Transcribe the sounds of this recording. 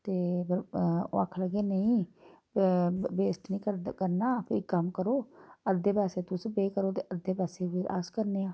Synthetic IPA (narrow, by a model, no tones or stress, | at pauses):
t̪eːpɾo̰ːəkʰləɡeːnəĩː | beːsʈ̪nĩːkəkəɾnaːpʰɪɾkəmkəɾoːəd̪ːeːpɛːseːt̪ʊsbeːkəɾoːt̪eːəd̪eːpɛːseːʋia̰ːskəɾneːãː